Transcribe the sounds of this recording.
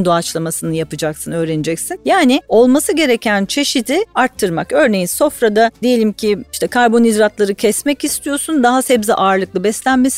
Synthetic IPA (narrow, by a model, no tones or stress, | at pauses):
nd̪oat͡ʃlˠamasɯnɯjapɯd͡ʒaksɯnø̞ːɾe̞nid͡ʒɛcsinjaːnɪo̞lˠmasɯɟe̞ɾecʰænt͡ʃʰe̞ʃid̪iaɾt̪ʰːɯɾmakø̞ɾne̞jinso̞fɾad̪ad̪eje̞lʲimcʰiiʃt̪ʰɛkʰaɾbo̞nid̪ɾat̪lˠaɾɯcʰɛsmɛcist̪ʰijo̞sund̪aɦasɛbziʔaːɾlˠɯklˠɯbɛslʲænmes